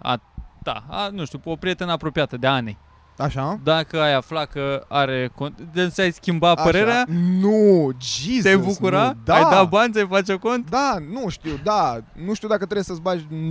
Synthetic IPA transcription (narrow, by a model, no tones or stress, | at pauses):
a̰t̪a̰a̰nuʃt̪iuopɾije̞t̪e̞napɾo̞piat̪əd̪eanej | aʃad̪akəajaflakəaɾekoesajskʲimbapəɾe̞ɾeanud͡ʒizejbukuɾad̪ajd̪abanʲsajfat͡ʃeko̞nt̪d̪anuʃt̪iwd̪anuʃt̪iud̪akət̪ɾejesəsbaʒʲ